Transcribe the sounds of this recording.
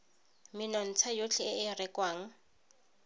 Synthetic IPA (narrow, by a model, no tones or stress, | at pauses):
mɪnɔn̩t͡sʰajot͡ɬʰɪɪɪrɪkʼwaːŋ̩